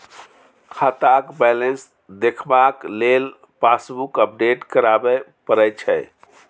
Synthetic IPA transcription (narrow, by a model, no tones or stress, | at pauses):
kʰat̪akbɛlens | d̪ekʰbaklel | pasbukəp̚ɖeʈkəɾabɛpəɾəjt͡ʃʰɛ